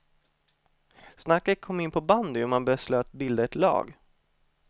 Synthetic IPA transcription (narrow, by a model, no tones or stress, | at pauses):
snakːət̪̚kʰɔmːɪnpʰɔband̪ɪɔmanbɛːsløːt̪bɪld̪əɛt̪lɑ̰ːɡ